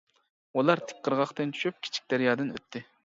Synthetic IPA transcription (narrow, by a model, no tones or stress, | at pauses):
ulˠɑɾt̪ʰɪ̥k̚ʲqʰːəɾʁɑχt̪ɨnt͡ʃʰy̥ʃyp̚kʲʰi̥t͡ʃʰi̥k̚ʲd̪̥æɾjɑːd̪ɨnø̰t̪ʰːɪ